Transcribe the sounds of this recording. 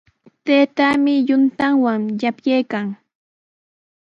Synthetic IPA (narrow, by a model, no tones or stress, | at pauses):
t̪eːt̪amɪjʊnt̪aŋwaŋjapjejkaŋ